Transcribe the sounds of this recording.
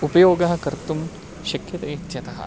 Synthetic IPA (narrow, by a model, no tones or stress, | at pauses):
upɐjoːɡɐɦɐ̆kɐɾt̪um | ʃɐkʰjɐt̪ɐit̪ːjɐt̪ɐɦɐ̰